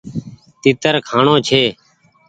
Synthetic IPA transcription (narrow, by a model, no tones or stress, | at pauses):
t̪iːt̪əɾkʰaːɳõːt͡ʃʰeː